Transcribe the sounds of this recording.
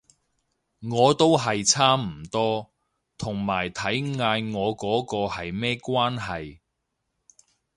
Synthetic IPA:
ŋɔː˨˧t̪o˥wɦɐ˨jt͡sʰaː˥m̩˨˩t̪ɔː˥ | t̪ʰʊ˨˩ŋmaː˨˩jt̪ʰɐ˨˥jŋaː˧jŋɔː˨˧kɔː˨˥kɔː˧hɐ˨jmɛː˥kʷwaː˥nɦɐ˨j

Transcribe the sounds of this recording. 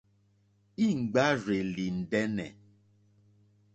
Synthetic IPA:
i˦˨ŋ̩˨ɡ͡ba˦re˨li˨n̩˨dɛ˦nɛ̰˨

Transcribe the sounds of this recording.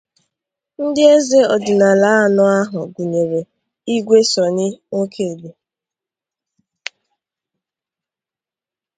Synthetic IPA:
n̩˦dɪ˦e˦ze˦ɔ˨dɪ˨na˨la˦˨nɔ˦a˦ɦʊ˨ɡu˨ɲe˨ɾe˨ | i˦ɡʷe˦sɔ˨nɪ˦ŋo˦kʰe˦˨be˨

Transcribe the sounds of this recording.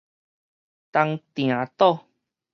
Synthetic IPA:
t̪a˧ŋt̪j̃ã˨t̪ɔ˥˦˧

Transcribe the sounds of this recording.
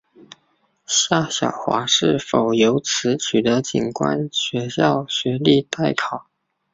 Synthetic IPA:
ɕja˥˩ɕjɑ˨˩ʊxwa̰˧˥ʂɻ̩˥˩fo˨˩ʊjo˧˥ʊt͡sʰɹ̩˧˥t͡ɕʰy˨˩d̪ə˦t͡ɕḭ˨˩nkwa̰˥nɕɥɛ˧˥ɕjɑ˥˩ʊɕɥɛ˧˥li˥˧t̪a˥˩ɪkʰɑ˨˩˦ʊ

